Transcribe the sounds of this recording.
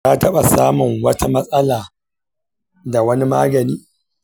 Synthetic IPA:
aː˦tɐ˦ɓa˨saː˦mʊ˨ŋwɐ˦tʰa˦mɐ˦sʼɐ˦laː˨ | da˨wɐ˦ni˦ma̰ː˦ɡɐ˨niː˦

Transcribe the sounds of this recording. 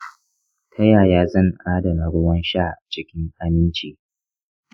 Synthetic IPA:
tʰɐ˦jaː˨jaː˦zɐ˦˨ŋʔaː˦dɐ˨na˨ɽʊ˦wɐ˦nʃaː˦˨ʔa˨t͡ʃɪ˦kʲɪ˦ŋʔa˦mɪ˦nt͡ʃiː˨

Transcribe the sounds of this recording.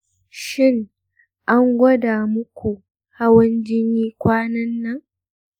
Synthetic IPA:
ʃɪ˦ŋ | ʔa˦ŋɡʷɐ˦daː˨mʊ˦kʷu˨ | ha˦wɐ˦nd͡ʒɪ˦niː˦kʷaː˦nɐ˦nːɐ˦ŋ

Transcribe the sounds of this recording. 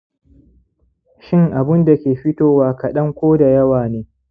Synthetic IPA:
ʃɪ˦ŋʔa˨bʊ˦nda˨kʲeː˨ɸɪ˦toː˨waː˦kɐ˨ɗɐ˦ŋkʷoː˦da˨jɐ˦waː˨neː˦

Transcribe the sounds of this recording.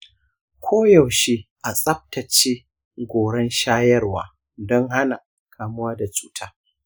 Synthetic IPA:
kʷʰoː˦jɐ˨wʃi˦ʔa˨sʼɐ˦p̚tɐ˨t͡ʃeː˦ | ɡʷoː˨ɽɛ˦nʃaː˦jɐ˦rwaː˨ | dɔ˦ŋɦa˦na˨ | kʰaː˨mʊ˦waː˦da˨t͡ʃʼuː˦tʰaː˦

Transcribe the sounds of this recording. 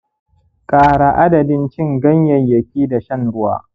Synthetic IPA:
kʼaː˨ɽa˨ʔa˦dɐ˨dɪ˦nt͡ʃɪ˦˨ŋɡɐ˦ɲjɐ˨ɲjɐ˨kʲiː˦da˨ʃɐ˦˨nɽʊ˦wa̰ː˦

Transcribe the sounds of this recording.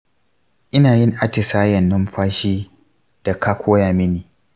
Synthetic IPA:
ʔɪ˦naː˨jɪ˦ŋʔa˦tɪ˨saː˦jɐ˨nːʊ˦mɸaː˦ʃiː˦ | d̥a˨kaː˦kʷʰoː˦jaː˨mɪ˦niː˨

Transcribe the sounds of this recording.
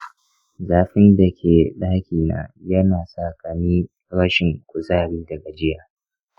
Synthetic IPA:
zaː˨ɸɪ˦nda˨kʲʰeː˨ɗaː˦kʲiː˨na̰ː˨jɐ˦naː˨sa˦˨kɐ˨miː˦ | ɽɐ˦ʃɪ˨ŋkʷʊ˨zaː˦˨ɽiː˦dɐ˨ɡa˨d͡ʒɪ˦jaː˨

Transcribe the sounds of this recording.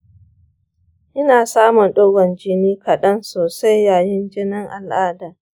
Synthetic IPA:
ʔɪ˦naː˨saː˦mʊ˨nɗoː˦ɡʷɔ˨nd͡ʒɪ˦niː˦kʰɐ˨ɗɐ˦nsoː˨sa˦jːaː˨jɪ˦nd͡ʒɪ˦nɪ˦ŋʔa˨lʔaː˦daː˨

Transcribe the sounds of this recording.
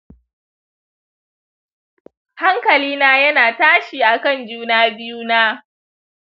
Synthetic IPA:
ha˦ŋkɐ˨liː˦naː˦jɐ˦naː˨taː˦ʃiː˨ʔa˨kɐ˦˨nd͡ʒuː˦naː˦bɪ˦juː˦naː˦

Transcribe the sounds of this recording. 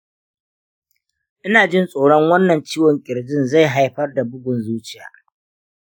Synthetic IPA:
ʔɪ˦naː˨d͡ʒɪ˦nsʼoː˨ɽɔ˦ŋwɐ˦nːɐ˨nt͡ʃiː˦wɔ˨ŋkʲʼɪ˨ɾd͡ʒɪ˦nza˦˨jɦa˨˦jɸɐ˦rda˨bʊ˦ɡʷʊ˨nzuː˦t͡ʃɪ˦˨ja̰ː˨

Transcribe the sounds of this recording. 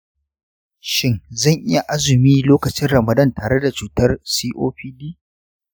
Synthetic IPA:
ʃɪ˦ŋzɐ˦˨ŋʔɪ˦ja˨ʔa˦zʊ˨miː˦loː˦kɐ˨t͡ʃɪ˦nɽɐ˨mɐ˨dɐ˦˨ntaː˨ɽe˦da˨t͡ʃuː˨tɐ˦rsiː˦ʔo̰ː˦ɸiː˦di˦

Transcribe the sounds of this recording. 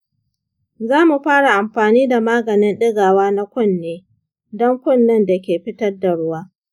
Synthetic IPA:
zaː˦mu˨ɸaː˦ɽa˨ʔa˨mɸaː˨niː˦da˨maː˦ɡɐ˨nɪ˦nɗɪ˦ɡaː˨waː˦na˦kʷʊ˦˨nːeː˦ | dɔ˦ŋkʷʊ˦˨nːɐ˦nda˨kʲeː˨ɸɪ˦tɐ˦rda˨ɽʊ˦waː˦

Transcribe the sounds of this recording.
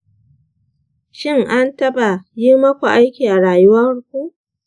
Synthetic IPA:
ʃɪ˦ŋʔa˦ntɐ˦ba˨ji˦mɐ˦kʷa˨ʔa˦jkʲiː˨ʔa˨ɽaː˨jʊ˦wɐ˦rkʷu˦ʔ

